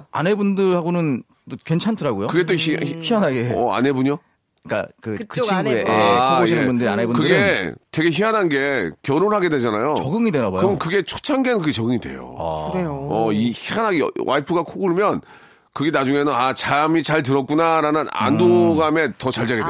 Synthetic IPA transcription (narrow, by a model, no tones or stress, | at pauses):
a̰ne̞bundɯɾɭaɡonɯn | tokwe̞nt͡ɕʰantʰɯɾaɡojokɯɡe̞t͈oiçiɦanɦaɡeʌa̰ne̞buɲo | k͈a̰kɯkɯt͡ɕʰieaojiebundɯɾia̰nebunkɯdɡetwe̞ɡe̞çiɦanɦanɡe̞kjʌɾonɦaɡe̞dwe̞d͡ʑanajot͡ɕʌɡɯŋidenabakjɯɯnkɯɡe̞t͡ɕʰo̥t͡ɕʰanɡe̞nɯnkɯɡe̞t͡ɕʌɡɯŋidwe̞̰jo̰ | ʌiçianɦaɡḛwʔaipʰɯɡakʰoɡɯɭmjʌn | kɯɡe̞nad͡ʑuŋe̞nɯnat͡ɕamit͡ɕaɭt̬ɯɾʌt̚k͈unaɾanɯna̰ndoɡame̞tʌt͡ɕaɭd͡ʑaɡede